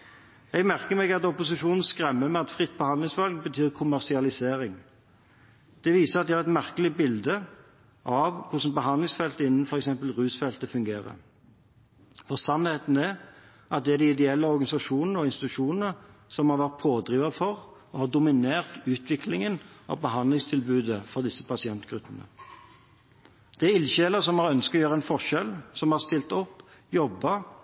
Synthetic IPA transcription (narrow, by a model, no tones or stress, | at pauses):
ɛɡmæʁkəmɛɡɑt̪ɔpʊsɪʂuːnn̩skʁɛmːəmɛɑtt̪fʁɪt̪̚ːbəhɑnd̪lɪŋsfɑlɡ̚bət̪ʰyːʁkʰʊmæʁʂɪɑlɪseːɾɪŋ | d̪̥ɛʋiːsəɑt̪̚d̪ɛhɑʁɛt̪mæʁkəlɪbɪld̪ə | ʔɑʋkʰʊʂn̩bəɦɑnlɪŋsfɛlt̪əɪnːn̩fɔɾɛksɛmpəlʁʉːsfɛlt̪əfʉŋɡeːɾə̰ | fɔʁsɑnheːt̪n̩æ | ʔɑt̪̚d̪ɛæʁd̪ɪɪd̪ɛɛlːəɔɾɡɑnɪsɑʂuːnənəɔɪnst̪ɪt̪ʉʂuːnənəsɔmhɑɾʋæʁt̪̚pʰoːd̪ɾiːʋɑfɔʁ | ɔhɑːd̪ʊmɪneːʁt̪ʉːt̪ʰʋɪklɪŋənʔɑ̰bəɦɑnd̪lɪŋst̪ʰɪlbʉːd̪əfɔʁd̪ɪsːə̥pʰɑsɪɛnt̪ɡ̥ɾʉpːənə̰ | d̪̥ɛæɪlɕeːləʁsɔmhɑɾœnskɔjøːɾʁəɛnfɔʁʂɛlːsɔmhɑʁst̪ɪlt̪ɔpːjɔbːɑ